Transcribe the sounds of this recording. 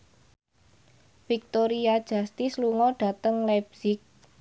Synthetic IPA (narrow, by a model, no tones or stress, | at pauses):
fik̚t̪oɾiad̥ʒ̥ä̤st̪isluŋɔɖ̥ä̤t̪əŋlɛb̥sɪk̚